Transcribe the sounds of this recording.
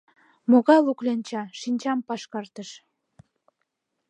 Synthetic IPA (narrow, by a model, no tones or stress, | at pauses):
moɣɑjluklent͡ɕɑʃinʲt͡ɕɑmpɑʃkɑrt̪əʃ